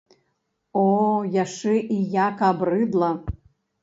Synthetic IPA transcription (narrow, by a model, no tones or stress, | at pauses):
ojaʂɨʔijakabrɨd̪lˠɐ